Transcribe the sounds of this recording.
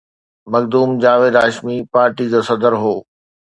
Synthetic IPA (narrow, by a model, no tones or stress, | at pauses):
mɐkd̪uːmd͡ʑaːʋeːd̪aːʃmipaːɾʈid͡ʑoːsɐd̪əɾɦoː